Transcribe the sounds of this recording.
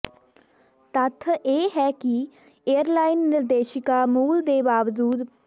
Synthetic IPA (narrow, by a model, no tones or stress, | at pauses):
t̪ət̪ʰeːɦɛːki | eːəɾlaːɪnːɪɾd̪eːʃɪkaːmuːld̪eːbaːʋd͡ʒuːd̪